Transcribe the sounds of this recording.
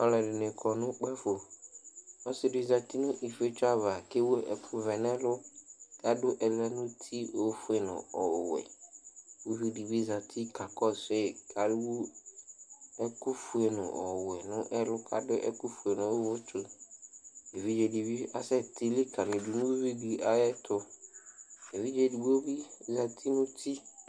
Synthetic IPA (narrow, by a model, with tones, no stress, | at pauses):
ɔ˦lɛ˨ɖɪ˨nɪ̃˨kʰɔ˨nʊ̃˦k͡pa˦fo˨ | ɔ˦sɪ˦di˦˨za˨t̪i˦nʊ̃˦ʔi˨fe˦t͡ʃʊ˦a˦va˨ke˦wo˦ɛ̰˨kʰʊ˦vɛ˨nɛ˦lʊ˦ka˦dʊ˦ʔɛ˨lɛ˦nʊ̃˦t̪ʰi˦ʔo˦fʊ˦e˨nʊ̰̃˨ɔ˨wɛ̰˨ | wu˦vi˦di˨bi˦za˨tʰi˦ka˨kɔ˦˨se˦˨kʰa˨dɪ˦wu˦ | ɛ˦kʊ˦fu˨ɛ˨nʊ̰̃˨ʔɔ˨wɛ˨nʊ̃˦ʔɛ˦lʊ˦kʰa̰˨dʊ˦ʔɛ̰˦kʊ˦fu˨e˨nʊ̃˨˦wʊ˦t͡ʃʊ˦ | e˨vi˦d͡ʒɛ˨di˨bi˦a̰˨sɛ˦t̪i˨li˦kʰa˨lɪ˨du˨nũ˦wvi˦di˨a˦ɛ˦t̪ʰʊ˦ | e˨vi˦d͡ʒɛ˦di˨bo˦bi˦za˨t̪ʰi˦nʊ̃˦t̪ʰi˦